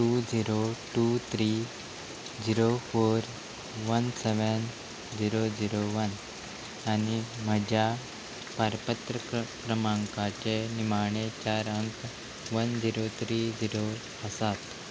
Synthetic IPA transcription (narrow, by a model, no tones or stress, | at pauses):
ʈud͡ziɾoʈut̪ʰɾi | d͡ziɾofoɾ | ʋənseʋən | d͡ziɾod͡ziɾoʋən | animəd͡ʑja | paɾpət̪ɾəkɾəmaŋkat͡ɕenimaɳ̃et͡ɕaɾəŋk | ʋənd͡ziɾot̪ʰɾid͡ziɾo | əsat̪